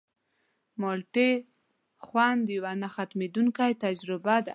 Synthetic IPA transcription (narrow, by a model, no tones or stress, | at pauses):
mɔlʈe | xwand̪əjawanaxat̪med̪uŋkajt̪ad͡ʒɾɪbad̪